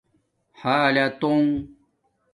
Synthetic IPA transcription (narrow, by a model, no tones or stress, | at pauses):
halat̪oŋ